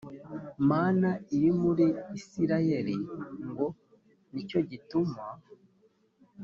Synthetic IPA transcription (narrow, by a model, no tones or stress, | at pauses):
maːnaiɾimuɾiːsiɾajeɾiŋɡo̞ | nico̞ɟitumwa